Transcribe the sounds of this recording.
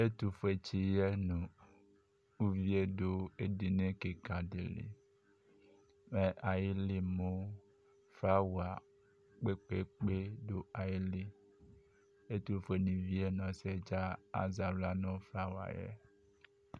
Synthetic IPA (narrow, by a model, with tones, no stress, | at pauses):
e˦t̪u˨fe˨t͡ʃi˨jɛ˦nũ˨ | u˦vi˦e˦ɖo˦e˦ɖi˨nẽ˦ke˨ka˨ɖe˨lḭ˨ | me˨ʔa˨ji˦li˦mõ˦ | fɾa˦wu˨a˨ | k͡pe˦k͡pe˦k͡pe˦ɖo˦a˨ji˦li˦ | e˦t̪u˨fe˨nĩ˨vi˦e˦nɔ̃˨sɛ˦d͡ʒa˦a̰˦za˨vla˦nɔ̃˦fɾa˦wa̰˨jɛ̰˦